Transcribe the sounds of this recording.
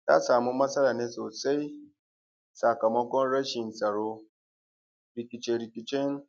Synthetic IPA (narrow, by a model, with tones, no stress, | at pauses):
ta̰˦saː˨mu˦mɐ˦sɐ˦laː˨ne˦so˨se˦j | sa˨ka˨mɔ˦ɡɔ˦n˦ɾa˦ʃi˨n̩˨sa˨ɾo˦ | ɾi˨kʲi˨t͡ʃe˨ɾi˨kʲi˨t͡ʃe˦n˦